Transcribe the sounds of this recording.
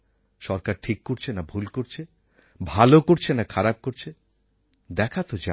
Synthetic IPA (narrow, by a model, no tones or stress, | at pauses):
ʃɔɾkaɾʈʰikːoɾt͡ɕʰenabʱulkoɾt͡ɕʰe | bʱalokoɾt͡ɕʰenakʰaɾab̚koɾt͡ɕʰe | d̪ɛkʰat̪od͡ʑa